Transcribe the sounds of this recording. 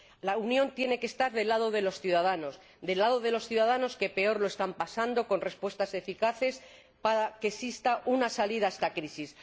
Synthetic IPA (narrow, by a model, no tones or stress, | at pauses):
launjont̪je̞ne̞ke̞st̪aɾðe̞laðo̞ðe̞lo̞sθjuðaðano̞s | d̪e̞lað̞o̞ð̞e̞lo̞sθjuðað̞ano̞ske̞pe̞oɾlo̞e̞st̪ampasand̪o̞ko̞nre̞spwest̪ase̞fikaθe̞s | paɾakesist̪aʔunasaliðaest̪akɾisis